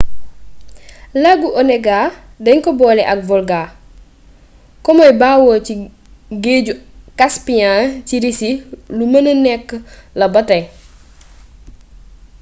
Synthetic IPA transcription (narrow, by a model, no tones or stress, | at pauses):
laɡuʔɔnɛɡaː | dɐɲkɔbɔːlɛʔɐk̚vɔlɡaː | kɔmɐjbaːwɔːci | ɡeːɟukaspijãciɾisilumɐnənɛkːəlɐbɐtɐ